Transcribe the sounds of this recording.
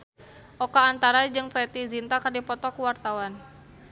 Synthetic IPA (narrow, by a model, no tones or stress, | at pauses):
ʔɔkaːnt̪aɾad͡ʒɨŋpɾɛt̪izint̪akərdipɔt̪ɔkuwart̪awan